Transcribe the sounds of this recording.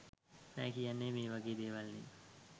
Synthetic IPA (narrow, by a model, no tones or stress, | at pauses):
mɛ̰ːkijanːeːmeːʋaɡeːd̪eːʋalnḭː